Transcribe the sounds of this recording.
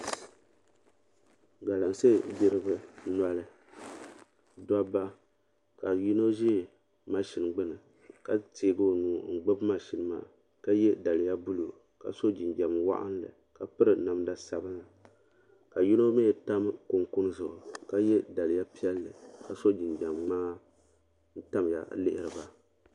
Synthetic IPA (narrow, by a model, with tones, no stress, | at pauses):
ɡa˨la˨n˨se˦˨bi˦ɾɨ˦bɨ˦na˦lɨ˦ | da˦ba˦ | ka˨ju˦no˦ʒe˦˨ | ma˦ʃi˨n˨ɡ͡bɨ˦nɨ˨ | ka˦teː˨˦ɡɨ˦o˨nuː˨˦ŋ̩˨ɡ͡bɨ˦bma˨ʃi˨nɨ˦ma̰ː˨ | ka˦jɛ˦da˨lɪ˨ja˦bu˦lo˨ | ka̰˨so˦d͡ʒi˨nd͡ʒa˨mwa̰˦ʔa̰˦n˦lɨ̰˨ | ka˨pɨ˦ɾɨ˨na˨m˦da˦sa˨bɨ˦nla˨ | ka˨ju˦no˦me˦˨ta˦m˦kʊ˨ŋkʊ˦n˦zʊ˨ʔka˦jɛ˦da˨lɪ˨ja˦pi˦ɛ˦lːɨ̰˨ka˨so˦d͡ʒi˨nd͡ʒa˨mŋ͡maː˦ | n̩˦ta˦mja̰˨lɪ˦ʔɪ˦ɾɨ˨ba˦